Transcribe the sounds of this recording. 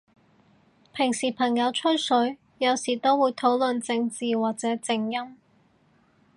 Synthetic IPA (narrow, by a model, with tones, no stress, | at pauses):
pʰɪ˨˩ŋsiː˨˩pʰɐ˨˩ŋjɐ˨˧wt͡ʃʰɵ˥sɵ˨˥ɥ | jɐ˨˧wsiː˨˩t̪o˥wwuː˨˧jt̪ʰo˨˥wlɵ˨nt͡sɪ˧ŋt͡siː˨waː˨k̚t͡sɛː˨˥t͡sɪ˧ŋjɐ˥m